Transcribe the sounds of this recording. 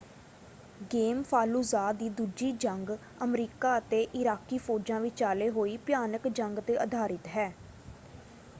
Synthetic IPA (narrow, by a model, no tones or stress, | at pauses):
ɡeːmpʰaːluːzaːd̪iːd̪uːd͡ʒiːd͡ʒəŋɡ | əmɾiːkaːət̪eːʔɪɾaːkiːfʰoːɾd͡ʒãːʋɪt͡ʃaːleːɦoːiːpɪjaːnəkd͡ʒəŋɡt̪eːʔəd̪ʱaːɾɪt̪ɦɛː